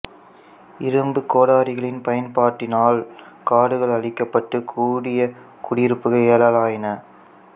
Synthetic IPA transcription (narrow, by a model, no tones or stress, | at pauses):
ɪɾɯmbɯkoːɽaːɾɪɣɐɭɪnpɐjɐnpaːʈːɪnaːlkaːɽɯɣɐɭɐɭɪkːɐpːɐʈːɯkʰuːɽɪjɐ | kʊɽɪjɪɾɯpːɯɣɐeːlaːlaːjɪnɐ